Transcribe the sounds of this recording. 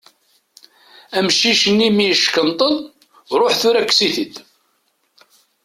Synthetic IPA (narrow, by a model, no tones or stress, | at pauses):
æmʃiʃənːimiʃkənt̪ˤən | ɾˤoħθʊɾækːsiθid̪